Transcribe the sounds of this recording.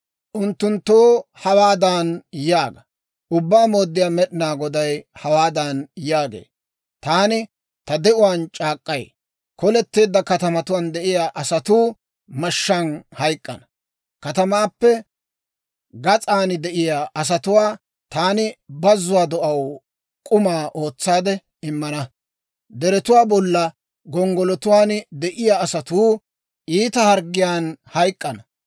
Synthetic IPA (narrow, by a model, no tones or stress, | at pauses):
ʔʊnt̪ːʊnt̪ːoːhɐwaːd̪ɐnjaːɡɐ | ʔʊbːaːmoːd̪ːɪjaːmɛɗɪnaːɡɔd̪ɐjhɐwaːd̪ɐnjaːɡḛː | t̪aːnɪ | t̪ɐd̪ɛʔʊwaːnt͡ʃʼaːkʼːɐj | kɔlɛt̪ːeːd̪ːɐkɐt̪ɐmɐt̪ʊwand̪ɛʔɪjaːʔɐsɐt̪uː | mɐʃːɐnhɐjkʼːɐ̰nɐ | kɐt̪ɐmaːpːɛ | ɡɐt͡sʼaːnɪd̪ɛʔɪjaːʔɐs̬ɐt̪ʊwaː | t̪aːnɪbɐzːʊwaːd̪ɔʔɐw | kʼʊmaːʔo̞ːt͡sːaːd̪ɛ | ɪmːɐnɐ | d̪ɛɾɛt̪ʊwaːbɔlːɐ | ɡɔŋɡɔlɔt̪ʊwaːnd̪ɛʔɪjaːsɐt̪uː | ʔiːt̪ɐhɐɾɡɪjaːnhɐjkʼːɐnɐ